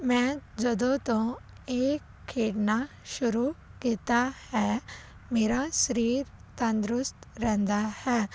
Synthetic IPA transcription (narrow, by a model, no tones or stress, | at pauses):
mɛ̃d͡ʒɐd̪õt̪õ | eːk | kʰːeːɽna | ʃʊɾukiːt̪ahɛ | meːɾaʃəɾiːɾ | t̪ɐ̃nd̪ɾʊst̪ɾɛ̃nd̪ahɛː